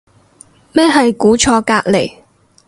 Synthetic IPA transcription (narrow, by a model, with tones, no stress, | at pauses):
mɛː˥ɦɐ˨jkuː˨˥t͡ʃʰɔː˧kaː˧k̚le˨˩j